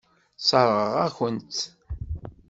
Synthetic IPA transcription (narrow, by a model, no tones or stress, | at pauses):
sˤɑɾˤʁəʁæçənt̪